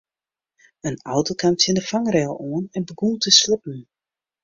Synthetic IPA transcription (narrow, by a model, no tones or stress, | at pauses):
əna̰wtokʰamtjɪndəfaŋrɛːlˠoənɛnbəɡuːtəslɪpn̩